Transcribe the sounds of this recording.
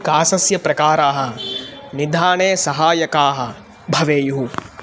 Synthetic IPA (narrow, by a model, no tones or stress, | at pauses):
kaːsɐsjɐpɾɐkaːɾaːɦɐ̆nid̪ʱaːɳeːsɐɦaːjɐkaːɦɐ | bʱɐʋeːjuɦu